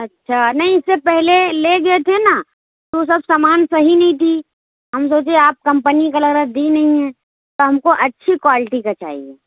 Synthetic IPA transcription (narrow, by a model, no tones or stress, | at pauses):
ɐtːʃʰanɐɦĩɪsːepɛɦleleɡɐet̪ʰena | t̪os̬ɐbsaːmaːnsɐɦinɐɦĩt̪ʰi | ɦɐms̬oːt͡ʃeaːp̚kɐ̃mpənikalɐɡɾəd̪inɐɦĩɦɛ̃ | t̪oɦɐmkoʔɐtːʃʰikwaːlɪʈikat͡ʃa̰ːɦḭeː